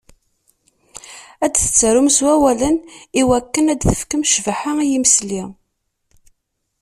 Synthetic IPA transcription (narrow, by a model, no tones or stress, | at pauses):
æd̪θə̥t͡sːəɾumswæwæləniwækːənæd̪θə̥fkəmʃvəħaijimsli